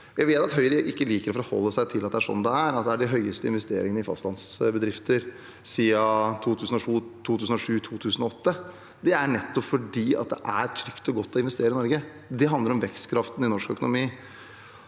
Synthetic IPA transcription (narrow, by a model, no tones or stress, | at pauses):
jæɪʋeːt̪ɑt̪ɦœʏɾəʔɪkːəliːkəɾɔfɔɾɔhɔ̰lːəsæɪt̪ʰɪlːɑt̪d̪ɛæʂɔ̰nːd̪ɛæɾɑt̪̚d̪ɛæɖɪɦœʏəst̪əɪnʋɛst̪ḛːɾɪ̰ŋənəɪfɑ̰st̪lɑnsbəd̪ɾɪft̪ʰəɾ | siːɑt̪ʰuːt̪ʰʉːsn̩ɔʂuːt̪ʰuːt̪ʰʉːsən̩ɔʂʉːt̪ʰuːt̪ʰʉːsənɔɔt̪ːə | d̪ɛæɳɛt̪ːɔpfɔɖiːɑ̰t̪̚d̪ɛ̰ʔæɾt̪ʰɾʏkt̪ɔɡɔt̪ːɔɪnʋɛst̪eːɾɪnɔɾɡə | d̪ɛɦɑnd̪əɾɔmʋɛkst̪kʰɾɑft̪n̩ɪnɔʂkœ̰kʊnʊmiː